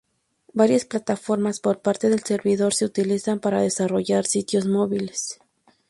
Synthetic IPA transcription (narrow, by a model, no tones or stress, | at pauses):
baɾjasplat̪afo̞ɾmaspo̞ɾpaɾt̪e̞ðe̞lse̞ɾβiðo̞ɾse̞ut̪ilisampaɾaðe̞saro̞ʝaɾsit̪jo̞zmo̞βile̞s